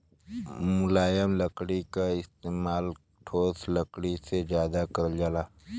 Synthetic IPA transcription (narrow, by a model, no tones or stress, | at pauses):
mʊlaːjəmləkɽikaɪst̪eːmaːl | ʈʰoːsləkɽised͡ʒjaːd̪akɐɾd͡ʒalaː